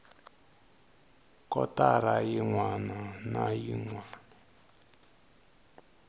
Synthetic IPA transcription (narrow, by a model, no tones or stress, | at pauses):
kɔ̰taɾajiŋwananajiŋwaːna